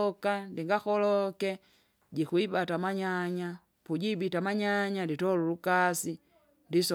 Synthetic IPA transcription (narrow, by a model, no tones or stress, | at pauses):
ɔkandiŋɡaxɔlɔkɛ | ɟikuibatamaɲaɲa | puɟibitamaɲaɲanditɔlulukasi | ndis